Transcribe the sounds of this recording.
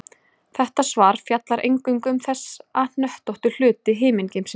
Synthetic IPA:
θɛht̪asvaːɾ̥fjat̪laɾʔḛjŋkʏŋkʏmθɛsːaðn̥œht̪ɔht̪ʏl̥ʏːt̪ɪɦɪːmɪncejms

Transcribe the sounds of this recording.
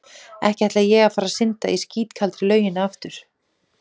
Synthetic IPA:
ɛhcɛt̪lajɛɣafaːɾasɪnt̪a̰isciːt̪kʰalt̪ɾɪlœːɥjɪnaaft̪ʏɾ̥

